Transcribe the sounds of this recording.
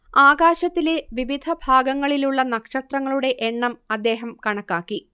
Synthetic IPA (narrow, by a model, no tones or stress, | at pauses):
aːɡaːɕɐt̪ːileʋiʋid̪ʱɐbʱaːɡɐŋːɐɭiluɭːɐnɐkʂɐt̪rɐŋːɐɭuɽe̞ʔeɳːɐmɐd̪ːe̞ːɦɐmkɐɳɐkːaːkːi